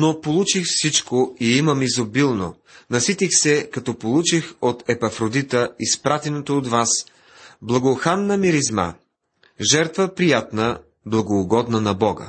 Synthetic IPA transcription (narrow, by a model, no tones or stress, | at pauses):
nopolˠut͡ʃixfsit͡ʃkoiiməmizobilˠno | nɐsit̪ixsɛkɐt̪ɔpolˠut͡ʃixot̪ɛpɐfɾod̪it̪əispɾat̪ɛnot̪oːt̪vas | blˠɐɡoxanːəmiɾizma̰ | ʒɛɾt̪vəpɾijat̪nə | blˠɐɡoːɡɔd̪nənɐbɔɡə̰